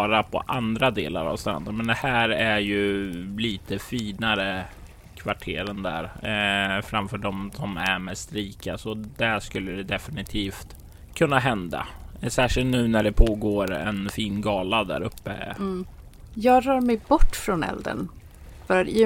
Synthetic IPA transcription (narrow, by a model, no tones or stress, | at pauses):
ɾapʰɔ̰ʔand̪ɾad̪ḛːla̰ɾa̰vst̪ɾa̰nd̪ənmɛnd̪ɛhæːɾæɾjɵliːt̪ʰəfiːnaɾə | kʰvaʈʰeːɾənd̪æ̰ɾ | fɾamfœːɖɔmsɔmæmɛst̪ɾiːkasɔd̪æʂkɵlːəd̪ɛd̪ɛfɪnɪt̪ʰiːft̪ | kʰɵnːaɦɛnd̪a̰sæːʂɪlt̪nʉ̟ːnæɖɛpʰoːɡoːɾɛ̰nfiːnɡɑːlad̪æ̰ɾɵpːə̰ | jɑːɡɾœːɾmɛjbɔʈːfɾɔnɛ̰ld̪ə̰n | fœɾat̪ɪ